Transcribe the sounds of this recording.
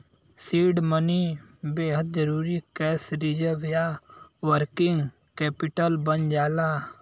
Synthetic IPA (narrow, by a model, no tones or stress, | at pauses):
siːɖmənibeːɦəd̪̚d͡ʒəɾuːɾikɛːsɾid͡ʒəʋjaːwəɾkɪŋɡ | kɛːpɪʈəlbənd͡ʒaːlaː